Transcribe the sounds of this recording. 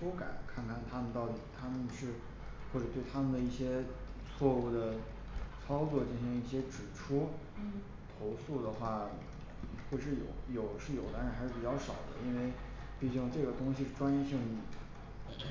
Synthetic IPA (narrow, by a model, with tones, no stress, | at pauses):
o˥ka̰˨˩˦nkʰa˥˩nkʰa˥˩nt̪ʰa˥mə˨˧nt̪ɑ˥˩ʊt̪i˨˩t̪ʰa˥mə˨nʂɻ̩˥˩˧ | xwɔ˥˩ʈ͡ʂɤ˨˩t̪we˥˩ɪt̪ʰa˥mə˨nd̪ə˩i˥˩ɕjɛ˥ | t͡sʰwɔ˥˧u˥˩d̪ə˩ | t͡sʰɑ˥ʊt͡swɔ˥˧t͡ɕi˥˩ŋɕŋi˥˩ɕjɛ˥ʈ͡ʂɻ̩˨˩ʈ͡ʂʰu˥ | t̪ʰo˧˥ʊsu˥˩d̪ə˩xwa˥˩ | xwɛ˥˧ɪʂɻ̩˥˩jo˨˩˦ʊjo˨˩ʊʂɻ̩˥˩jo˨˩ʊt̪a˧˥ɻxʂɻ̩˥˩pi˨˩t͡ɕjɑ˥˩ʊʂɑ˨˩ʊd̪ə̰˦i˥nwe˥˧ɪ | pi˥˩t͡ɕjŋʈ͡ʂɤ˥˩ɡə˩t̪ʊ˥ŋɕi˧˥˧ʈ͡ʂwa˥nɛ˥˧ɕi˥˧ŋ˨˩